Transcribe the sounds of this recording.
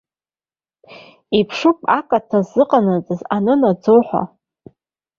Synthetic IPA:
ipʰʂɨkʼakʼatʰazːɨqʼanɨzʼɨzanɨnad͡zowħʷa̰

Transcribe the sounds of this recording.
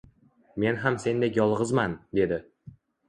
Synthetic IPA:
me̞nɦamse̞nd̪ekjɒlˠʁɨzmand̪e̞d̪ɪ

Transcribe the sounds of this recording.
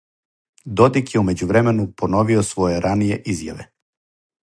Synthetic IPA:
d̪o̞d̪ikjeume̞d͡ʑuʋɾeme̞nupo̞no̞ʋiosʋo̞je̞ɾanije̞ʔizja̰ʋe

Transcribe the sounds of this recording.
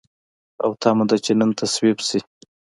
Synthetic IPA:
a̰wt̪ʰɑmud̪at͡ʃenənt̪ʰaswibsi

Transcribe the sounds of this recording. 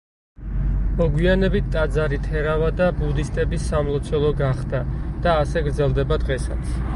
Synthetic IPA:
mɔɡwianɛbit̪t̪ʼad̪zaɾit̪ʰɛɾavad̪abud̪ist̪ʼɛbisamlˠɔt̪sʰɛlˠɔɡaχd̪ad̪̥aːsɛɡɾd̪zɛlˠd̪ɛbad̪ʁɛsa̰t̪sʰ

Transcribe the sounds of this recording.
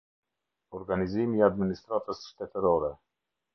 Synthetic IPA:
ɔɾɡanizimiad̪minist̪ɾat̪əsʃt̪ɛt̪əɾɔɾɛ

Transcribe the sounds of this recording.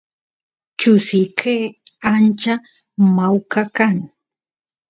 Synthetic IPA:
t͡ʃʊsɪkʰeant͡ʃa | mawkakaŋ

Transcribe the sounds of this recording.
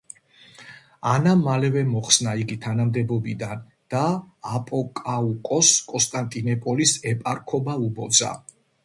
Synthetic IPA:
anamalɛvɛmɔχsnaiɡit̪ʰanamd̪ɛbɔbid̪an | d̪̥aːpʼɔkʼaukʼɔskʼɔnst̪ʼant̪ʼinɛpʼɔlisɛpʼaɾkʰɔbaubɔd̪z̥a̰

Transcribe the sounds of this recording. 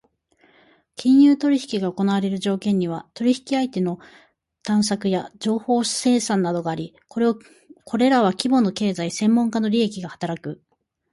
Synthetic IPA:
kʲĩɰ̃jɯːt̪o̞ɾʲiçi̥kʲiɡaoko̞naβaɾe̞ɾɯ̟ʑo̞ːkẽ̞ɲ̟ːiβ̞at̪o̞ɾʲiçi̥kʲiait̪e̞no̞ | t̪ãɰ̃s̬akɯ̟jad͡ʑo̞ːho̞̥ːse̞ːsãnːad̪o̞ɡaːɾʲi | koɾe | kʰo̞ɾe̞ɾaβ̞akʲibo̞no̞ke̞ːzaisẽ̞mːõ̞ŋkano̞ɾʲie̞kʲiɡahḁt̪aɾakɯ̟

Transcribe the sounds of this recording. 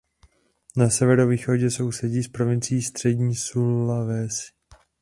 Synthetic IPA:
nasɛvɛɾo̞viːxo̞ɟɛso̞wsɛɟiːspɾo̞vɪnt͡sɪːst̪r̝̥ɛɟɲiːsulːavɛs

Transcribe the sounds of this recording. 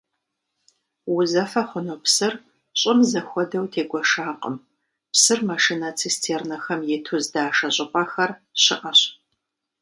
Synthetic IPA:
wʊzɐfɐχʷʊnopsɨr | ɕʼɪmzɐxʷɔdɐwtʰeːɡʷɔʂaːqʼə̰m | psɨrmɐʂinɐt͡sʰistʰeːrnɐxɐmjɛtʰuzdaːʂɐɕʼɪpʼɐxɐrɕɪʔɐɕ

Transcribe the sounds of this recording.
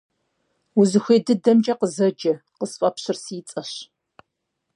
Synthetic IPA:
uzɨxʷeːdɨdɐmd͡ʒʼɐqəzɐd͡ʒɐqəsfʼɐpɕɪrsiːt͡sʼɐɕ

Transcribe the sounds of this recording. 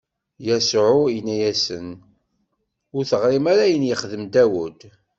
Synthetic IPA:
jæsʕʊjənːæjæsən | ʊɾθəʁɾimæɾæjənjəχðəmd̪æwʊd̪

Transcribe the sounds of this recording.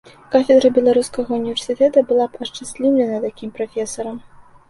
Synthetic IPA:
kafʲɛd̪ɾɨbʲɛlˠaɾuskɐɣɐunʲivʲɛrsʲɨt̪ɛt̪ɐbɨlˠapɐʂt͡ʂasʲlʲiwlʲɛnɐt̪akʲimpɾafʲɛsɐɾɐm

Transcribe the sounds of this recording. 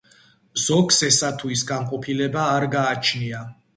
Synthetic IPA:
z̥ɔksɛsat̪ʰuisɡamqʼɔpʰilɛbaːɾɡaːt͡ʃʰnia

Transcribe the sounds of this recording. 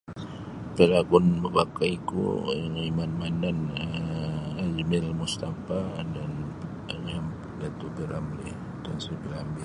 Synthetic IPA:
pəlaɡɔnməbakaikṵaŋimanmananə | ad͡ʒmɪlmust̪afadan | ŋam | dat̪ubəlamli | dansibəlambɪl

